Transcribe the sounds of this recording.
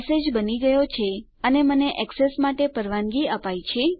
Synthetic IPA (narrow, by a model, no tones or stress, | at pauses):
sed͡ʒbəniɡəjot͡ʃʰe | əneməneʔɛksesmaʈepəɾʋanɡiəpajt͡ʃʰe